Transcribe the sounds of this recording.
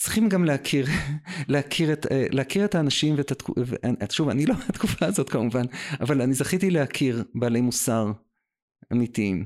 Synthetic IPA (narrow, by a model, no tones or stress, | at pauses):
t͡sʁi̥χimɡamleakʰiʁleakʰiʁeteleakiʁetaːnaʃimveetatkuveʔaʃuvanilomeat̪kufaːzo̞tkamuvanavalanizaχit̪ileakʰiʁbaːle̞jmusaʁ | amitiim